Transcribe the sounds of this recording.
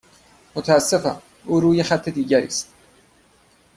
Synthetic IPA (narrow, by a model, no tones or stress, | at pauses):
mot̪ʰæːsːefæ̰n | ʔuːɾuːjexæt̪ʰːe̞d̪iːɟæɾḭːst̪